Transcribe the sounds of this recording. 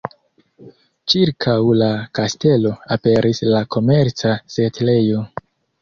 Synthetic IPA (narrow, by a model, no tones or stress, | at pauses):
t͡ʃiɾkʰawlakaste̞lo̞ape̞ɾʔislakʰo̞me̞ɾt͡sasetle̞jo̞